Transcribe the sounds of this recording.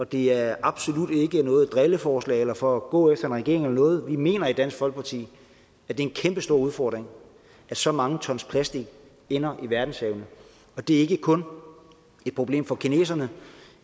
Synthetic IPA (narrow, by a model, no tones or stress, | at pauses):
ɒ̽d̥e̝æɐɑ̈b̥so̝lud̥e̝ɡ̥ənɔ̽ːð̩ˠd̥ʁeləfɒːslɛ̰ːɪelɐfɒ̽ːɡ̥ɔ̰ːefd̥ɐe̝nʁɛɡ̥e̝ɐeŋelɐnɔ̽ːð̞̩ˠʋime̝̰ːnɐid̥æn̰sɡ̥fɒ̽l̰ɡ̥̚pʰɑ̈t͡sʰḭː | æd̥e̝ɐenkʰemb̥əsd̥o̝ɐ̰uðˠfɒ̰ːd̥ʁeŋ | ʔæ̥sɒ̽mɑ̈ŋət͡sʰɒ̽nspʰlæsd̥iɡ̥ | enɐʔiʋæɐd̥n̩sheʊnə | ɒ̽d̥e̝ɐe̝ɡ̥əkʰɔ̽n | e̥pʰʁo̝b̥le̝̰ːmfɒ̽kʰine̝̰ːsɐnə